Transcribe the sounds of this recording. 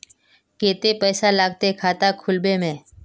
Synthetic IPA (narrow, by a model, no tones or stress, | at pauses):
keːt̪epɛːsalaːɡt̪ekʰaːt̪akʰʊlbẽmẽː